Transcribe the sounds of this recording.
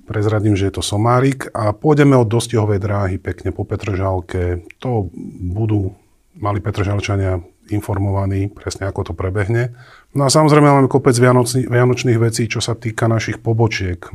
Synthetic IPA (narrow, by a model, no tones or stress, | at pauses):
pɾɛzɾaɟiːmʒɛjɛt̪ɔsɔmaːɾikapʊɔjɟɛmɛɔd̪ːɔscɛɦɔʋɛjd̪ɾaːɦipɛkɲɛpɔpɛt̪ɾɔʒalkɛt̪ɔbud̪uː | malipɛt̪ɾɔʒalt͡ʃaɲɪa | infɔɾmɔʋaniːpɾɛsɲɛakɔt̪ɔpɾɛbɛɦɲɛ | nɔasamɔzɾɛjmɛmamɛkɔpɛd͡zʋɪanɔiʋɪanɔt͡ʃniːɣʋɛt͡siːt͡ʃɔsat̪iːkanaʃixpɔbɔt͡ʃɪɛk